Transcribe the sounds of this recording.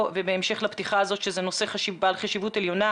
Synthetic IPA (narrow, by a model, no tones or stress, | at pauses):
vebeːmʃe̞χlapt̪iχaːzo̞tʃezeno̞se̞χaʃibaːlχaʃivuteljo̞na